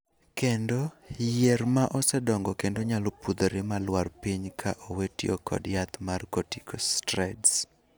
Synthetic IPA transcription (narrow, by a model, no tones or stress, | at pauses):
kendo | jeɾmaʔɔsɛdɔŋɡɔkendoɲalopud̪oɾɪmalwarpiɲkʰaʔowetio̰kɔ̰djat̪markotikostɾɛts